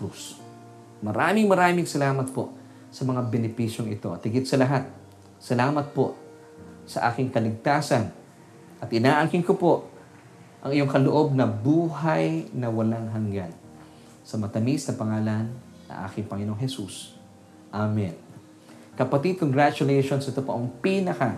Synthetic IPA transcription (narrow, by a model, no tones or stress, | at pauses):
us | mɐɾaːmɪŋmɐɾaːmɪŋsɐlaːmɐt̪̚po̞̰ | sɐmɐŋabɛnɪpisjoŋɪt̪o̞ɐt̪hɪɡɪt̪̚sɐlɐɦat̪̚ | sɐlaːmɐt̪̚po̞ʔ | sɐ̰ʔaːkɪŋkɐlɪɡ̚t̪aːsɐn | ʔɐt̪ʔɪnaːʔɐkɪŋkopo̞ʔ | ʔɐŋɪjo̞ŋkɐloʔo̞b̚nɐbuːɦajnɐwɐlaŋɦɐŋɡan | sɐmɐt̪ɐmisnɐpɐŋaːlɐnː | ɐ̰ŋʔa̰ːkɪŋpɐŋɪno̞ŋɦɛsṵs | ʔamɛn | kɐpɐt̪id̪̚koŋɡɹat͡ʃʊlɛjʃonsɐt̪opɐ̰ʔoŋpinɐkɐ